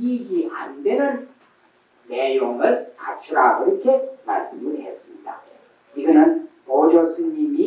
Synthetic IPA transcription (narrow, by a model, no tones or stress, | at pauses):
iɡiʔandenɯn | ne̞joŋɯɭkat͡ɕʰuɾaiɾʌkʰe̞nas͈ɯmɯnɦe̞s͈ɯmɲida̰ | iɡʌnɯnpod͡ʑʌsʰɯimi